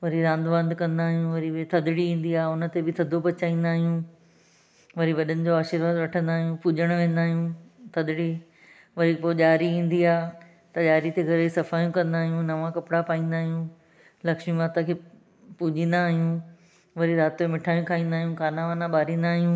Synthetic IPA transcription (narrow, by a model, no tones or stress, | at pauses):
ʋɐɾiɾãːnd̪ʋə̃nd̪kɐ̃nd̪aːɦijũʋɐɾit̪ʰɐd̪ɪɽiĩːnd̪iaːʊnə̆t̪ebɪt̪ʰɐd̪ʱopɐt͡ɕaːĩːnd̪aːɦijũ | ʋɐɾiʋɐɗənɪ̆d͡ʑoaːʃɪɾʋaːd̪ʋɐʈʰə̃nd̪aːɦijũpud͡ʑəɽ̃ʋẽːnd̪aːɦijũt̪ʰɐd̪ɽi | ʋɐɾipoʄaːɾiĩːn̆d̪iaː | t̪ɐʄaːɾit̪eɡʱɐɾeisɐfaːjũkɐ̃nd̪aːɦijũnɐʋãkɐpɪɽapaːĩːnd̪aːɦijũ | lɐkʃmĩmaːt̪akʰeː | puːd͡ʑĩːn̆d̪aːɦijũ | ʋɐɾiɾaːt̪oemɪʈʰaːjũkʰaːĩːnd̪aːɦijũkaːnaʋãːnãɓaːɾĩːnd̪aːɦijũ